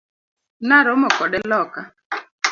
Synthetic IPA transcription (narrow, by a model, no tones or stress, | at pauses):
naɾɔmɔkɔɗɛlɔka